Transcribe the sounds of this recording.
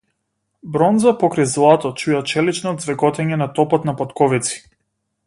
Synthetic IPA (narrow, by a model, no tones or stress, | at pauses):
bɾɔnzapɔkɾajzlˠat̪ɔt͡ʃujat͡ʃɛlit͡ʃnɔd̪zvɛɡɔt̪ɛɲɛnat̪ɔpɔt̪napat̪kɔvit̪si̥